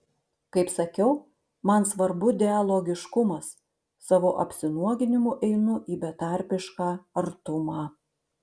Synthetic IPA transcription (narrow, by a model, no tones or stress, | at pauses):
kɐɪpsɐkʲɛʊ | mɐnsʋɐɾbʊd̪ʲɛɐlˠoːɡʲɪʃkʊmɐsː | ɑʋoːʔɐ̰pʲsʲɪnuɔɡʲɪnʲɪmuʔɛɪnʊʔiːbʲɛt̪ɐˑɾʲpʲɪʃkɑːɐɾt̪ʊmɑː